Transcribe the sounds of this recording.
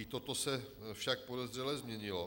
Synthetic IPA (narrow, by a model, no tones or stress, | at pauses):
it̪ot̪o̞sɛ | fʃak̚po̞dɛzr̝ɛlɛzmɲɛɲɪlo